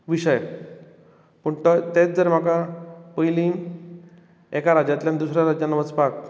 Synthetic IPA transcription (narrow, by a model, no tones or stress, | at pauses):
ʋiɕəj | pəɳt̪ət̪et͡sd͡zəɾm̤akapəjlĩ | ekaɾad͡ʑat̪ljand̪usɾjaɾad͡ʑjanːəʋət͡spak̚